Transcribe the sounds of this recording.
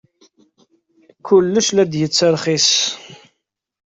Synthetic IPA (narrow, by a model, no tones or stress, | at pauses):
kʊlːəʃlæd̪jət͡sːəɾχis